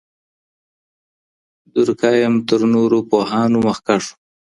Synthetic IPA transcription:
d̪ʊɾkɑjəmt̪əɾnoɾopoɦɑnoməxkaʂ

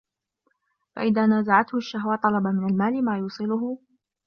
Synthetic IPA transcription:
fa̰ʔɪðaːnaːzaʕat̪hʊʃːaɦwaːt̪ˤɑlɑbamɪnalmaːlɪmaːjuːsˤɨlʊɦʊ

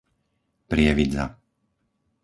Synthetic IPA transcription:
pɾɪɛʋid͡za̰

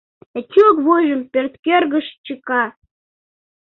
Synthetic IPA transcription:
et͡ɕʲukβojʒəmpørt̪kørɣəʃt͡ɕəkɑ

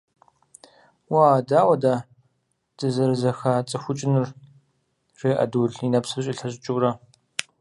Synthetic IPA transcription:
waadaːwɐdaː | t͡sʼɨzɐɾɨzɐxaːt͡sʼɨxʷʊt͡ʃʼɪnɨr | reːʔɐ̰duɮinɐpsɨrɕʼɪɬɐɕʼɪt͡ʃʼʊwrɐ

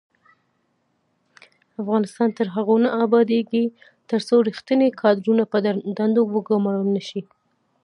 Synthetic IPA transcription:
afɣɑnɪst̪ɑnt̪əɾɦaɣonaʔːbɑd̪eɡi | t̪əɾsoɾixt̪ənekʰɑd̪ɾunapəd̪and̪owəɡamɑlumnaʃi

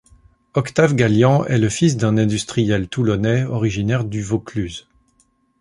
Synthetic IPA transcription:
ɔkt̪avɡaljɑ̃ɛləfis̬d̪ɛ̃nɛ̃d̪yst̪χijɛlt̪ulɔnɛɔʁiʒinɛʁd̪yvoklyz

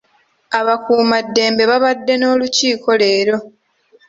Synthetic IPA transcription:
aβakuːmadːe̞ːmbe̞βaβadːe̞no̞ːluciːko̞le̞ːɾo̞

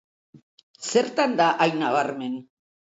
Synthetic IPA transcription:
se̞ɾt̪and̪aʔajnaβ̞aɾme̞n

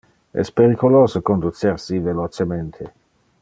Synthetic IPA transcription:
ɛ̰speɾikoloːzokond̪ut͡seɾsivelot͡ʃement̪ʰe

